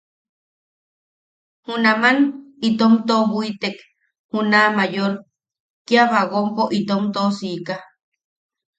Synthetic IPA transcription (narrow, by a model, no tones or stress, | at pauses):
hunamanit̪omt̪oβʷit̪ek | hunamajoɾ | kiaβaɣompoʔit̪omt̪osika